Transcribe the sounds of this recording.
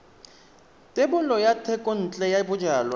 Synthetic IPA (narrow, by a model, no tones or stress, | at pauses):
tʼɪbʊlɔjatʰɛkʼɔn̩t͡ɬʼɛjabʊd͡ʒaːlwa